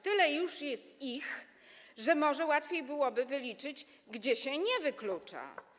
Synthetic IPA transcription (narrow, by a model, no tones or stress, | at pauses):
t̪ɘlɛjuʂjɛst̪ix | ʐɛmɔʐɛwat̪fʲjejbɘwɔbɘvɘlʲit͡ʂɘd͡ʑ | ɡd͡ʑɛɕɛɲɛvɘklut͡ʂa̰